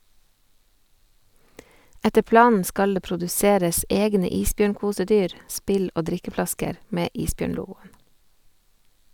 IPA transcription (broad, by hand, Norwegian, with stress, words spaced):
ˈɛtə ˈplɑːnn̩ ˈskɑl ˈeː pɾʊdʉˈseːɾəs ˈɛɡnə ˈiːsˌbjøːɳˌkuːsəˌdyːɾ ˈspɪl ˈoː ˈdɾɪkəˌflɑskəɾ ˈmeː ˈʔiːsˌbjøːɳˌluːɡʊən